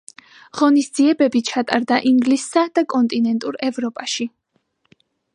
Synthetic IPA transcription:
ʁ̥ɔnisd̪z̥iɛbɛbit͡ʃʰat̪ʼa̰ɾd̪aʔiŋɡlisːad̪akʼɔnt̪ʼinɛnt̪ʼuɾɛvɾɔpʼaʃi

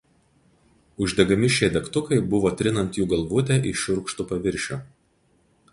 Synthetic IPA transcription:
ʊʒʲd̪ʲɛɡɐmʲɪʃʲejd̪ʲɛkt̪ʊkɐɪbʊʋoːt̪ʲɾʲɪnɐnt̪juːɡɐlˠʋʊt̪ʲɛʔɪʃʲʊɾkʃt̪ʊpɐʋʲɪɾʲʃʲoː

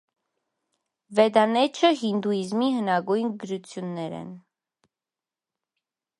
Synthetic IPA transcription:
vɛd̪ɑnɛt͡ʃʰəɦind̪uizmiɦənɑɡujnɡəɾut͡sʰjunːɛɾɛ̰n

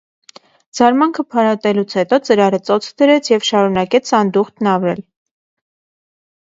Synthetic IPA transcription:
d͡zɑɾmɑŋkʰəpʰɑɾɑt̪ɛlut͡sʰhɛt̪ɔt͡səɾɑɾət͡sɔt͡sʰkd̪əɾɛt͡sʰjɛvʃɑɾunɑkɛt͡sʰɑnd̪uχt̪nɑvɾɛl

